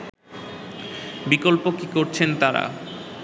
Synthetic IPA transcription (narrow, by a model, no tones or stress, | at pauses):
bikolpokikoɾt͡ɕʰent̪aɾa̰